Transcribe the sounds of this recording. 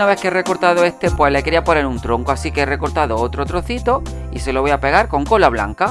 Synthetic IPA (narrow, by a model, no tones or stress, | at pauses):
aβe̞hkeere̞ko̞ɾt̪að̞oe̞st̪e̞pwe̞sle̞keɾiaponenunt̪ɾo̞ŋko̞asikeere̞ko̞ɾt̪aðo̞ot̪ɾo̞t̪ɾo̞θit̪o̞ | ise̞lo̞βojape̞ɣ̞aɾko̞ŋko̞laβ̞la̰ŋka